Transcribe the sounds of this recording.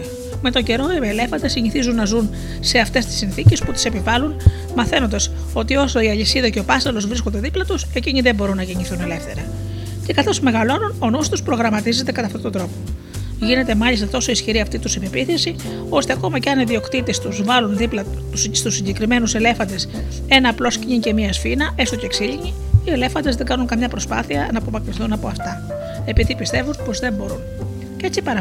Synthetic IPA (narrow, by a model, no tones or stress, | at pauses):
me̞t̪o̞ɲɟe̞ɾo̞ele̞fɐnd̪esiɲiθizunːɐzun | se̞ɐft̪e̞st̪i̥sːinθice̞sput̪i̥se̞pivɐlun | mɐθe̞nond̪ɐs | o̞t̪iosoiɐʎisiðɐce̞o̞pɐsɐlo̞zvɾiskond̪e̞ðiplɐt̪use̞ciniðe̞bo̞ɾunːɐʝeɲiθune̞le̞fθe̞ɾɐ | ce̞kɐθo̞sme̞ɣɐlo̞nuno̞nust̪uspɾo̞ɣɾɐmɐt̪ize̞nt̪e̞kɐt̪ɐft̪ot̪ond̪ɾo̞po̞ | ʝine̞t̪e̞mɐʎist̪ɐt̪o̞so̞isçiɾiɐft̪it̪usipepiθesi | o̞st̪e̞ɐko̞mɐceɐniðio̞kt̪it̪e̞st̪uzvɐlunðiplɐ | sst̪usːiɲɟe̞kɾime̞nuse̞le̞fɐnd̪e̞s | e̞nɐːplo̞scɲiɲce̞miɐsfinɐʔe̞st̪o̞ceksiʎiɲi | ie̞le̞fɐnd̪e̞zðe̞ŋɡɐnuŋkɐmɲɐpɾo̞spɐ̰θiɐnɐːpo̞mɐkɾiθunɐpo̞ɐft̪ɐ | e̞piðipist̪e̞vunpo̞zðe̞mbo̞ɾun | cee̞t͡sipɐɾɐ